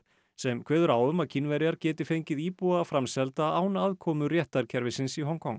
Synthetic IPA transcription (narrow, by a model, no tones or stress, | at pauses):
sɛmkʰvɛːðʏɾaːwʏmaðcʰinvɛɾjaɾcɛːt̪ɪfejɲcɪðiːpuaːfɾamsɛlt̪aaːwnaaðkʰɔːmʏrjɛht̪aɾcʰɛɾvɪsɪnsiɦɔnkʰɔŋ